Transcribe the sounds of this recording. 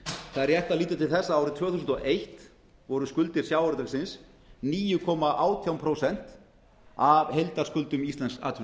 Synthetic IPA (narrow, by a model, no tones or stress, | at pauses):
θaðɾjɛht̪aðliːt̪̬ʏt̪ʰɪlθɛsːaaːwɾʏt̪ʰv̥œːθusnt̪ɔʔejht̪ | vɔɾʏskʏlt̪ɪɾ̥sjawaɾt̪aksɪns | niːjʏkʰɔːmaʔaːwt̪ʰjawmpʰɾowsɛn̥t̪ | avhejlt̪aɾ̥skʏlt̪ʏmist̪lɛnska̰ːt̪ʰvʏ